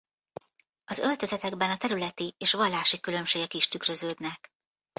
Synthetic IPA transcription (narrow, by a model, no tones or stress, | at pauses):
ɒzø̞lt̪ø̞zɛt̪ɛɡbɛnɒt̪ɛɾylɛt̪ieːʃʋɒlːaːʃikylø̞mʃeːɡɛkiʃt̪ykrø̞zøːd̪nɛk